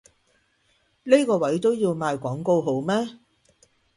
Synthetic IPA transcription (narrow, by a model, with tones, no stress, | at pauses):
ne˥kɔː˧wɐ˨˥jt̪o˥wjiː˧wmaː˨˧jkʷɔː˨˥ŋko˧wɦo˨˥wmɛː˥